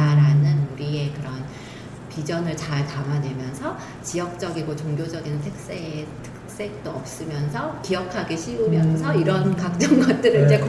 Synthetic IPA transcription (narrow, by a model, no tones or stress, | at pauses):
aɾanɯnuɾie̞kɯɾʌn | pid͡ʑʌnɯɭt͡ɕaɭkamanwe̞mjʌnsʰʌ | t͡ɕijʌk̚t͡ɕ͈ʌɡiɡot͡ɕoŋɡjod͡ʑʌɡintʰek̚s͈etʰɯ̥k̚k̚s͈e̞k̚t͈oʌp̚s͈ɯmjʌnsʰʌkijʌkʰaɡeɕʰiɡumjʌnsʰʌiɾʌnkak̚t͡ɕ͈ʌŋɡʌt̚t͈ɯɾɯɭid͡ʑe̞k